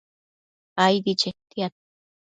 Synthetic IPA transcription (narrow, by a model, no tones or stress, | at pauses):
ajd̪it͡ʃet̪iat̪̚